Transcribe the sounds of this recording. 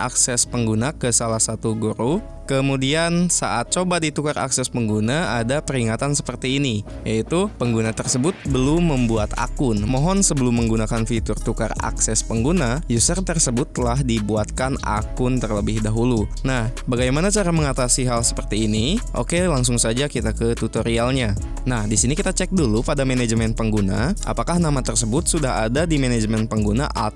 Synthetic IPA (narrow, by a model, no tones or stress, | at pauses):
ʔaksɛspəŋɡunakəsalahsat̪uɡuɾu | kəmudiansaʔat̪̚t͡ʃobadit̪ukara̰ksɛspəŋɡunaadapəɾiŋat̪ansə̥pərt̪iːnijait̪upəŋɡunat̪ərsəbʊt̪̚bəlʊmːəmbuat̪a̰kʊnmɔɦɔnsəbəlʊmːəŋɡunakanfit̪ʊrt̪ukara̰ksɛspəŋɡunajusərt̪ərsəbʊt̪ːəlaɦdibuat̪̚kana̰kʊnt̪ərləbɪhdaɦulunahbaɡajmanat͡ʃaɾaməŋat̪asiɦalsə̥pərt̪iːniʔo̰kelaŋsʊŋsad͡ʒakit̪akət̪ut̪oɾialɲa | nahdisinikit̪at͡ʃɛk̚dulupadamened͡ʒmɛnpəŋɡuna̰ʔa̰pakahnamat̪ərsəbʊt̪̚sudaɦa̰dadimenɛd͡ʒmɛnpəŋɡuna̰ʔat